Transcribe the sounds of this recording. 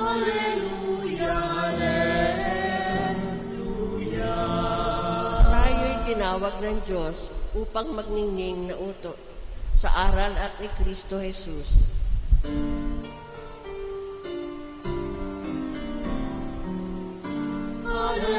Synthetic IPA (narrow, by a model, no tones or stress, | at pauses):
alɛluja | j | t̪aːjojt̪ɪnaːwɐɡ̚nɐŋd͡ʒosʔuːpɐŋmɐɡ̚nɪŋnɪŋnɐʔuːt̪oʔsɐʔaːɾɐlɐt̪̚ɪkɾist̪ohɛsus